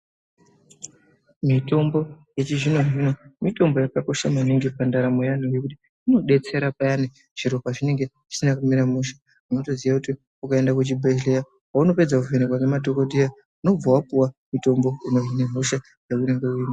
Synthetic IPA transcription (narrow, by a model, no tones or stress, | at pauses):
mito̞mbo̞ | jet͡ʃiʐino̞ʐino̞mito̞mbo̞jakako̞ʃamaniŋɡepandaɾamojan̤uje̞kuti̥ | ino̞ɗe̞t͡se̞ɾapajani | ʐ̥iɾo̞paʐine̞ŋɡe̞ʐ̥i̥sinakumiɾamuʃḁ | unoto̞ziʋakuti | ukae̞ndakut͡ʃibʱeleja | wauno̞pe̞d͡zakuvenekwakemadʱo̞koɗija | uno̞b͡vawapuwamuto̞mbo̞ino̞vineɦuʃa | jekune̞ŋɡeuiːma